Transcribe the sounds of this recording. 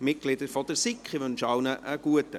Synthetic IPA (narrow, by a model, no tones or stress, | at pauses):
mɪt̚ɡ̥lɪd̪əɾfɔd̥̪əɾsikχiʋɵnʃɑwnəʔəɡ̥uətə